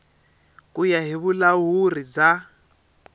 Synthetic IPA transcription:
kʼujaɦiβulaɦurid͡za

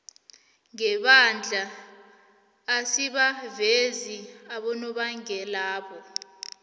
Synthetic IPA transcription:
ŋɛɓand͡ɮʱa | siɓaveziaɓɔnɔɓaŋɛlaːɓɔ

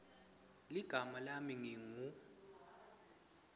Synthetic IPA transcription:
liɡ̥ʱamalamiŋiŋu

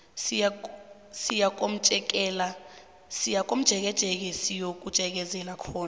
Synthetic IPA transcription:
sia | sijak̬ʼom̩t͡ʃʼɛk̬ʼɛːla | sijak̬ʼom̩d̥ʒ̥ʱɛk̬ɛd̥ʒ̥ʱɛk̬ɛsijok̬ʼud̥ʒ̥ʱɛk̬ɛzɛnakʰɔːna

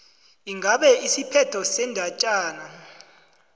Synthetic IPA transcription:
iŋɡʱaɓɛʔisipʰɛtʰɔsɛndʱat͡ʃʼaːna

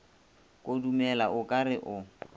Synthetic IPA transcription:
kʼodumɛlaʔʊkʼarɪʔʊ

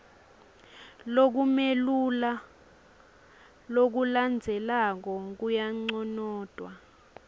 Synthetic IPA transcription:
lok̬umelula | lok̬uland͡zʱɛlak̬ɔk̬ujaŋ͡ǀɔnɔːd̥ʱwa

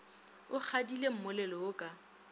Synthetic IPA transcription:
ʊk͡xʰadilem̩mʊlɛlɔʊkʼa

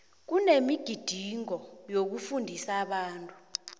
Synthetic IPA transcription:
k̬unemiɡ̥ʱid̥ʱiŋɔjok̬ufundʱisaɓaːntʼu

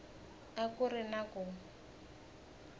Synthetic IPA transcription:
akʊrɪnakɔ

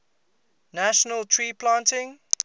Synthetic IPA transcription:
naʃənəltʰɹiːpʰlãːntɪ̃ŋ

